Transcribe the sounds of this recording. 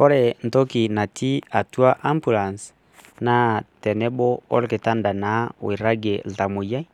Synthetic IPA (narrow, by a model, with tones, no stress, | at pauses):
ko˦ɾe˨n̩˨to˦ki˨na˨tʰi˦a˨tu˦a˦ʔa˦mbu˨la˨ns | na˦tɛ˨nɛ˦bo˦o̰˦lke˨ta˦nda˨na˨˦w̰i˨ɾa˦ɡe˨lta˨mo˨ja˦i˦